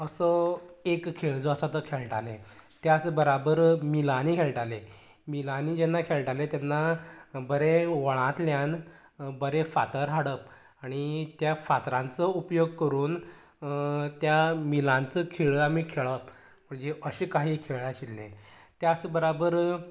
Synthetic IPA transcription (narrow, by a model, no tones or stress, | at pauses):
əsəekkʰːeɭd͡zoəsat̪əkʰeɭʈalḛ̃t̪jat͡sbəɾabəɾmilanikʰeɭʈalẽ | milanid͡ʑɛnːakʰeɭʈalet̪janːabəɾeʋəɭ̃ãt̪ljan | bəɾefat̪əɾɦaɽəp̚ | aɽ̃it̪jafat̪ɾãnt͡səupjoɡkəɾuːn | t̪jamilãnt͡səkʰeɭəamiːkʰeɭəp | m̤əɳd͡zeʔəɕekaɦiːkʰeɭaɕilːḛ̃t̪jat͡sbəɾabəɾ